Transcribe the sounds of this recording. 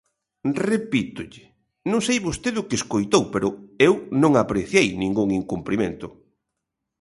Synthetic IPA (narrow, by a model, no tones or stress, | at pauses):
repit̪ʊʎɪ | nõŋsejβost̪eðʊkeskojt̪owpeɾʊewnõŋapɾeθjejnĩŋɡuŋiŋkumplimẽnt̪ʊ